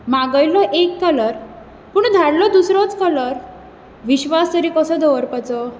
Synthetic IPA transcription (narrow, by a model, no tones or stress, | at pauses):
maɡəjlɔʔekːələɾ | puːɳd̪ʱaɽlɔd̪usɾɔt͡skələɾ | ʋiɕʋast̪əɾiːkɔsɔd̪ɔʋəɾpat͡sɔ